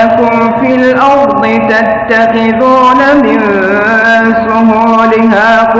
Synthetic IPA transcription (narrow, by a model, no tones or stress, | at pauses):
akʊm | filʔɑɾˤd̪ˤɨt̪at̪ːɑqɪðuːnamɪn | sʊɦuːlɪɦaːk